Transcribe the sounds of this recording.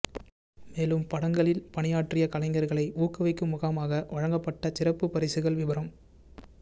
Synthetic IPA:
meːlɯmpɐɽɐŋɡɐɭɪlpɐɳɪjaːʈrɪjɐkɐlɐɪŋɡɐɾɣɐɭɐɪʔuːkɯʋɐɪkːɯmʊɣaːmaːɣɐʋɐɻɐŋɡɐpːɐʈːɐsɪrɐpːɯpːɐɾɪsɯɣɐɭʋɪʋɐɾɐm

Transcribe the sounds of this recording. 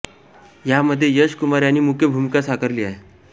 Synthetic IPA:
jaməd̪ʱːjejəɕkumaɾjaniːmukʰjəbʱumkasakʰəɾliːaɦe

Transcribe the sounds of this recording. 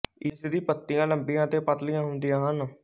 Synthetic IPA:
ɪsd̪iːpət̪ːijãːləmbijãːt̪eːpət̪lɪjãːɦʊnd̪ɪjãːɦən

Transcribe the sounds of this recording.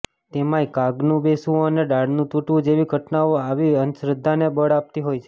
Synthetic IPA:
t̪emajkaɡnũbesũəneɖaɽnũt̪uʈũd͡ʒeʋiɡʱəʈnaoaʋiənʃɾəd̪ʱːanebəɽap̚t̪iɦojt͡ʃʰe

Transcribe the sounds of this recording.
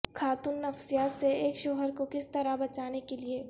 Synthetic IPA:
kʰaːt̪ʊnːɐfsijaːt̪seeːkʃoːɦəɾkokɪst̪ɐɾabɐt͡ʃaːnekelieː

